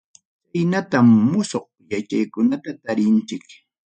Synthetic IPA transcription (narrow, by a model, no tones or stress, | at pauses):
t͡sajnat̪amːʊsoχ̚ | jat͡ʃajkʊnat̪at̪aɾɪnt͡ʃɪk